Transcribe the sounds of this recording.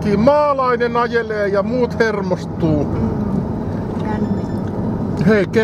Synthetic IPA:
kiːmɑːlɑinenɑjeleːjɑmuːt̪hermost̪ːˑuː | heike

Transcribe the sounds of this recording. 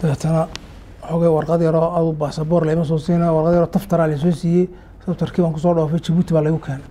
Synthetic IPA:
d̪̥ɐɛːt̪ʰɐnɐ | ħɔɣɛjwɑrqɑd̪jɐɾɔɐðʊbaːsɐbɔːrlɛjmɐs̬ɔːsiːnɐwɑrqɑd̪jɐɾɔːt̪ʰɐft̪ʰɐɾaːlɐjs̬ɔsiːjɛj | t̪ʰɐft̪ʰɐrkʰiːβaːŋkʰʊs̬ɔːɖɔːfɛjt͡ʃɐβuːt̪ʰiβaːlɛjʊkʰɛːnɛ

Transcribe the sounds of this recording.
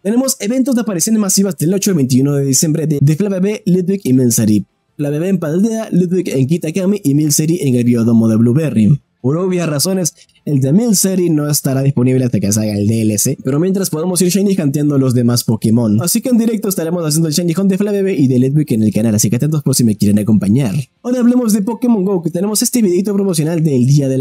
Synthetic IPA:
t̪e̞ne̞mo̞se̞βe̞nt̪o̞zðeapaɾisjo̞nezmasiβazd̪e̞lo̞t͡ʃoalβe̞jnt̪̬iunoðe̞ðisje̞mbɾeðed̪eflaβeβelit̪̚bikimilseɾi | flaβeβeːmpand̪eðalit̪̚bike̞ŋkit̪akamiʔimilseɾiʔeŋe̞lβioðo̞moðe̞βluβeri | po̞ɾoβjaraso̞ne̞s | eld̪emilseɾino̞est̪aɾaðispo̞niβleast̪akes̬alɣaeld̪elesepe̞ɾo̞mje̞nt̪ɾaspo̞ðamosiɾʃajnikant̪jand̪olo̞zðe̞maspo̞kemõ̞nasikeːnd̪iɾe̞k̚t̪oest̪aɾemosas̬end̪oelʃajnixo̞nd̪eflaβe̞βeʔiðelut̪bukene̞lkanalasikeat̪ent̪osposime̞kjeɾenako̞mpaɲaɾ | ojɾaːβle̞mo̞zðe̞po̞kemoŋɡowket̪ene̞mo̞se̞st̪eβiðeit̪̬o̞pɾomosjo̞nald̪e̞ld̪iaðel

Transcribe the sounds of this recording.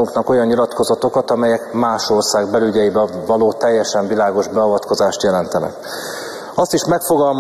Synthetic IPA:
uŋknɒko̞jɒnɲilɒt̪ko̞zɒt̪o̞kɒt̪ɒmɛjɛkmaːʃo̞rsaːɡbɛlyɟɛjibɛvɒloːt̪ɛjːɛʃɛɱvilaːɡo̞ʒbɛɒvɒt̪ko̞zaːʃt̪jɛlɛnt̪ɛnɛ̰k | ɒst̪iʃmɛkfo̞ɡɒlm

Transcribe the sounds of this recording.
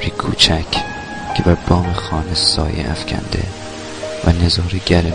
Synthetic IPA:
ɾikʰuːt͡ʃʰæcʰ | cʰebæɾb̥ɒːmexɒːnesɒ̰ːjḛʔæ̰fcʲʰæ̰nd̪ḛ | væ̰nezɒːɾeɟæl

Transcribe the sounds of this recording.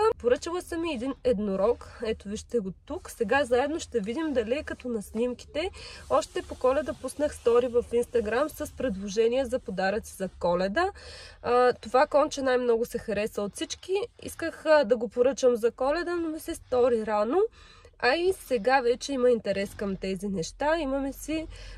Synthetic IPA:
poɾɤt͡ʃəlˠəsɐmiɛd̪inɛd̪noɾɔkɛt̪oviʃt̪ɛɡot̪uksɛɡazaɛd̪noʃt̪ɛvid̪imd̪ɐlikɐt̪ɔnɐsnimki̥t̪ɛɔʃt̪ɛpokɔlɛd̪əpusnəxst̪ɔɾivɐfinst̪ɐɡɾamsɐspɾɛd̪lˠoʒɛniəzɐpod̪aɾət̪sizɐkɔlɛd̪ə | t̪ovakɔnt͡ʃɛnajmnɔɡʊsɛxɐɾɛsəot̪sit͡ʃkiḭskəxd̪ɐɡopoɾɤt͡ʃəmzɐkɔlɛd̪ənomisɛst̪ɔɾiɾano | ɐisɛɡavɛt͡ʃɛimɐint̪ɛɾɛskɐmt̪ɛzinɛʃt̪aimɐmɛsi

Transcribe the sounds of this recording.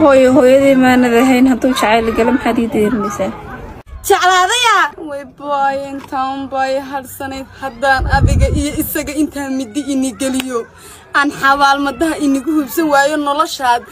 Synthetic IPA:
hɔːjɐɦɔːjɐðiːmanɐðɐɦɛjnɦɐd̪uːt͡ʃɑʕɑjlɡɐlɛmɐħɑːd̪iːd̪ɛɾɪnɛjsaː | t͡ʃɑʕlaːðɐjawɛjbɔjɛnt̪ʰɐʊmbɐjɦɐɽsɐnɛjhɐd̪aːnɐðɪɣɐʔijɔɪsɐɣɐɪnt̪ʰaːmɪd̪ɪɪnɪɡɛlɪjɔ | ʔaːnħɑβaːlmɐd̪ɐɦɐʔɪnɪɣʊhubsɐnwaːjɔnɔlɔʃaːd̪̚

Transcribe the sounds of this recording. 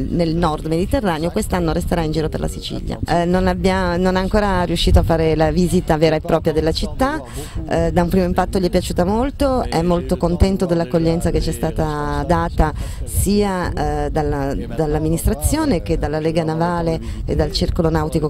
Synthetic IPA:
nelnɔrd̪med̪it̪erːaːneokwest̪anːoɾest̪eɾaind͡ʒiːɾopḛrlʔa̰sit͡ʃḭʎːja̰nonabːjanonɛaŋkoːɾariuʃːiːt̪oafːaːɾelavizit̪aveːɾaepːɾɔːpɾjad̪elːat͡ʃit̪ːa | d̪aumpɾiːmoimpat̪ːoʎiɛpːjat͡ʃuːt̪amolt̪oɛmːolt̪okont̪ɛnt̪od̪elːakːoʎːɛnt̪saket͡ʃːiɛst̪aːt̪ad̪aːt̪asiːad̪alːad̪alːamːinist̪ɾat̪sːjoːnek̟ed̪alːaleːɡanavaːleḛd̪ːalt͡ʃirkolonawt̪iko

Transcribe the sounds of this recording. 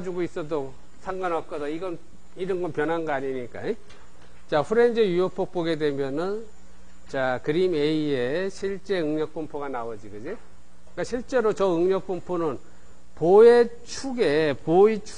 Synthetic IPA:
d͡ʑuɡois͈ʌdo | sʰaŋɡanak͈ʌdʌiɡʌn | iɾʌnɡʌnpjʌnɦanɡʌaɲiɲik͈a̰i | t͡ɕaɸʰuɾe̞nd͡ʑejujʌpʰok̚p͈oɡe̞dwe̞mjʌnɯn | t͡ɕakɯɾimeie̞ɕʰiɭt͡ɕ͈e̞ɯŋɲʌk̚p͈umpʰuɡanawʌd͡ʑiɡɯd͡ʑi | k͈aɕʰiɭt͡ɕ͈e̞ɾot͡ɕʌɯŋɲʌk̚p͈umpʰunɯn | poet͡ɕʰuɡepoit͡ɕʰ

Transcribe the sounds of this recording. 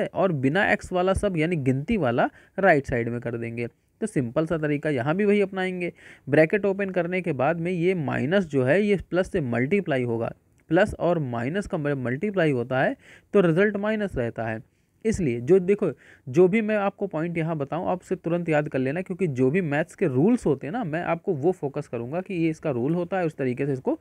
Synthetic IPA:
ɛʔɔːɾbɪnaʔɛ̰ksʋaːlasɐbʱjaːniɡɪ̃nt̪iʋaːla | ɾaːɪʈsaːɪɖmẽkɐɾd̪ẽːŋɡeː | t̪oːsɪ̃mpəlsat̪̬ɐɾiːkajɐɦãbʱiʋɐɦiɐpnaːẽːŋɡeːbɾɛːkeʈoːp̬ənkɐɾnekebaːd̪mẽjema̰ːɪnəs̬d͡ʒoːɦɛjeplɐsːemɐlʈiplaːiɦoːɡa̰ː | plɐsɔːɾma̰ːɪnəskamɾemɐlʈip̬laːiɦoːt̪aɦɛːt̪oɾɪzəlʈmaːɪnəsɾɛɦt̪aɦɛː | ɪslied͡ʒoːd̪eːkʰo | d͡ʒoːbʱimɛ̃aːp̚kopɔːɪ̃ɳʈjɐɦãbɐt̪aːũʔaːpʊ̥set̪ʊɾə̃nt̪jaːd̪kɐɾleːnakjõːkid͡ʒoːbʱimɛːt̪skeɾuːlsɦoːt̪eɦɛ̃namɛ̃ʔa̰ːp̚koʋofoːkəskɐɾũːŋɡakijeɪskaɾuːlɦoːt̪aɦɛʊst̪ɐɾiːkeseɪsko

